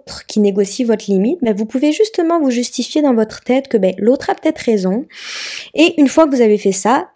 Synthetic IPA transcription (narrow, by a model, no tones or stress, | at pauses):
t̪χkʲineɡɔsivɔt̪χlimit̪̚bɛvupuveʒyst̪əmɑ̃vuʒyst̪ifjed̪ɑ̃vɔt̪χə̥t̪ɛt̪kəbɛlot̪χapə̥t̪ɛt̪χezɔ̃ | eʔynfwakəvuzavefɛsa